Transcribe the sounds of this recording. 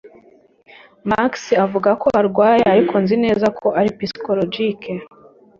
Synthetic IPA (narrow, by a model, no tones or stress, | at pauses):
maksiavuɡako̞aɾɡwaːjeaɾikʰo̞nzine̞ːzakʰo̞ʔaɾipisi̥kolod͡ʒikʰe